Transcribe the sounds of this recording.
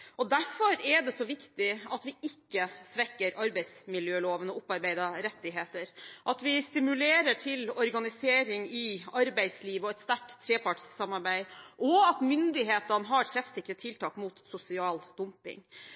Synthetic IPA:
ɔd̪æɾfɔɾɛɖɛsɔʋɪkt̪ɪɑt̪ʋɪɪkːəsʋɛkːəɾʔɑɾbæɪsmɪljøːloːʋənɔʊpːɑɾbæɪd̪ɑɾɛt̪ːɪɦeːt̪əɾʔɑt̪ʋɪst̪ɪmʉleːɾəʈʰɪlɔɾɡɑnɪseːɾɪŋɪɑɾbæɪsliːʋəɔɛt̪st̪æʈt̪ʰːɾeːpɑʈssɑmːɑɾbæɪʔɔɑt̪mʏnd̪ɪɦeːt̪ənəɦɑʈ̪ʰɾɛfsɪkːɾət̪ʰɪlt̪ʰɑːkmuːt̪sʊsɪɑːld̪̥ʊmpɪ̰ŋ

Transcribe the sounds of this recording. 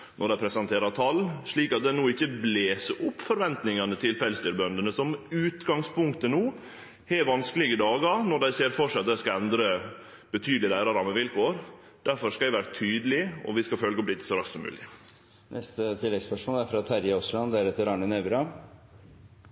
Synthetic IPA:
nɔɖæɪpʰɾɛsɛnt̪ʰeːɾɑt̪ʰɑlːʂɭiːkɑt̪̚d̪ænuːɪçːəbleːsəʔʊpːfɔɾʋɛnt̪nɪŋɑnət̪ʰɪlpæɪlst̪yːɾbœnd̪ənəsɔmʉːt̪ɡɑŋspʊŋkt̪ənuː | hɛʋɑnskəlɪɡəd̪ɑːɡɑɾnɔɖ̪æɪseːɾfɔʂɛɑt̪̚d̪æɪskɑɛnd̪ɾə | b̥ət̪ʰyːd̪l̩ɪlæɪɾɑɾɑməʋɪlkʰoːɾ | d̪̥æɾfɔɾʂkɑæɪʋæːɾət̪ʰyːd̪əlɪɔ̰ʋɪskɑfœlɡɔblɪt̪ːə̥sɔɾɑkssɔmːʉ̰ːlɪ | nʔɛst̪ət̪ʰɪlːɛɡspœʂmoːlæɾfɾɑt̪ʰæɾjəɔslɑnd̪æɾɛt̪ːəɾɑɳənɛʋɾɑ

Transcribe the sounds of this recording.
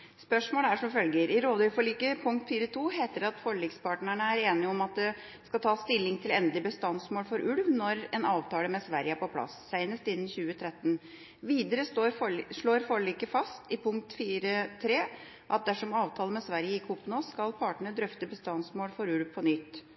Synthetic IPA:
spœʂmoːləæʂɔʋfœlɡəɾʔɪɾoːd̪əfɔɭiːkəpʰʊŋkt̪fiːɾət̪ʰuːɦeːt̪əɖɛɑt̪foɭiːkspɑːʈɳəɳəæɾeːnɪɔmɑt̪̚d̪ɛ | skɑlt̪ʰɑːst̪ɪlːɪŋt̪ʰɪlɛnd̪lɪbəst̪ɑnsmoːlfɔɾʔʉlʋnɔɾɛnɑːʋt̪ʰɑːləmɛsʋæɾjəæɾpɔpʰlɑ̰ssæɪnəst̪ɪnːnçʉːət̪ʰɾɛt̪ːn̩ | ʋiːd̪əɾəsʂɭoːɾfɔɭiːkəfɑst̪ɪpʰʊŋk̚t̪fiːɾət̪ʰɾeː | ʔɑt̪̚d̪æʂɔmɑːʋt̪ʰɑːləmɛsʋæɾjəɪkʰupːnɔskɑlpʰɑːʈəɳəd̪ɾœft̪əbəst̪ɑnsmoːlfɔɾʉlʋpʰɔnʏt̪ː

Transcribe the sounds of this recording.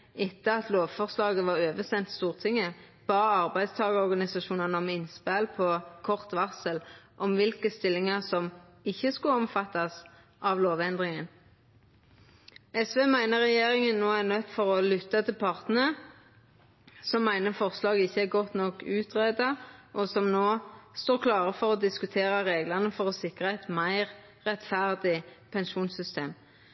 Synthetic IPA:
ɪt̪ːəɑt̪ʰloːʋfɔʁslɑːɡəʋɑʁøːʋəsɛnt̪st̪uːʁt̪ʰɪŋːə | b̥ɑːəɑʁbæɪd̪st̪ʰɑːɡəɔʁɡɑnɪsɑʃuːnɑnəɔmɪnspælpʰɔkʰɔʁt̪ʋɑʁsəlʔɔmʋɪlkəst̪ɪlːɪŋəʁsɔm | ɪçːəskʉɔmfɑt̪ːɑs | ʔɑʋloːʋɛnd̪ʁɪŋən | ɛsʋeːmæɪnəʁɛjeːʁɪŋənːoːæʁnœt̪ːfɔʁɔlʏt̪ːɑt̪ʰɪlpʰɑʁt̪nəə | sɔmːæɪnəfɔʁslɑːɡɪçːəæɡɔt̪nɔkʉːt̪ʰʁeːd̪ɑʔɔsɔmnoːst̪oːʁkʰlɑːʁəfɔʁɔd̪ɪskʉt̪ʰeːʁəʁeːɡlɑnəfɔʁɔsɪkʁəɛt̪mæɪʁ | ʁɛt̪fæʁd̪ɪpʰɛnʃuːnsʏst̪eːm

